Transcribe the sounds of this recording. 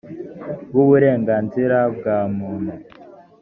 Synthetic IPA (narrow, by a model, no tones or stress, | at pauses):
ɡuβuɾe̞ːŋɡaːnziɾab̚ɡaːmuːnhu